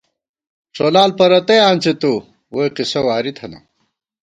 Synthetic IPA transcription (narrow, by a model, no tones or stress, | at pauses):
ʂolaːlpɐɾɐt̪ejaːnʲt͡set̪o | wojqisɐwaːɾit̪ʰɐnɐ̰